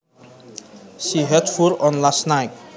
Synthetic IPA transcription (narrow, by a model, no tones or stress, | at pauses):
ʃiɦɛtfuɾɔ̃nlasnaɪk